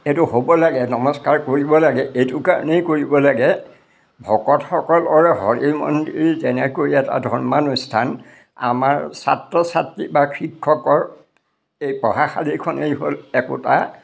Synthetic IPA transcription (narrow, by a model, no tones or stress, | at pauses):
ɛtʊhobɔlaɡɛnɔmɔskaɹkoɹibɔlaɡɛʔejtukaɹɔ̰nejkoɹibɔlaɡɛ | bʱɔkɔtxɔkɔlɔɹɛɦɔɹimɔ̰ndiɹizɛnɛkoɹiɛta̰dʱɔɹmanɔstʰan | a̰maɹsa̰tɹɔsatːibakʰɹikʰːɔkɔɹ | ejpɹɔɦaxalikʰɔnejɦolɛkʊ̰ta̰